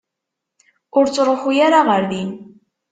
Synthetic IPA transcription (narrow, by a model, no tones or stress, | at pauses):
ʊɾt͡sːɾˤoχujaɾaʁəɾðin